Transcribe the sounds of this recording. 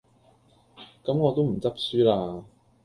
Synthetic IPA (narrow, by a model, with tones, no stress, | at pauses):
kɐ˨˥mŋɔː˨˧t̪o˥wm̩˨˩t͡sɐ˥p̚syː˥laː˧